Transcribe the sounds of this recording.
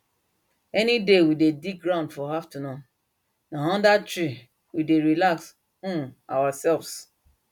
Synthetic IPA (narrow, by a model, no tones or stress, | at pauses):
ɛnidewidedik̚ɡɾãʊ̃ndfɔhaftunɔ | nãɦɔ̃ndatɹi | wideɹilaks | ũna̰wasɛlvs